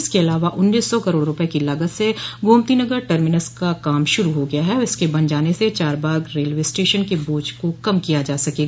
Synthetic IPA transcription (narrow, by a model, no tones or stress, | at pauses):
ɪskeɐlaːʋaʔʊnːiːsːɔkɐɾoːɽɾʊpekilaːɡət̪seɡʱõːmt̪inɐɡəɾʈəɾmɪnəskakaːmʃʊɾuɦoɡɐjaɦɛɔɾɪskebɐ̃nd͡ʒaːneset͡ʃaːɾbaːɡɾeːlʋeːsʈeːʃənkeboːd͡ʒkokɐmkijad͡ʒaːsɐkeːɡaː